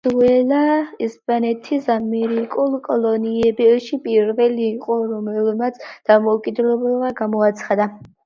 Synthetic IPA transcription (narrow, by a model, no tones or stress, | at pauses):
ɛlaɛspʼanɛt̪ʰisamɛɾikʼulˠkʼɔlˠɔniɛbɛʃipʼiɾvɛliːqʼɔɾɔmɛlmat̪sʰd̪̥amɔkʼid̪lɛbɛlˠvaɡamɔat̪sʰχad̪a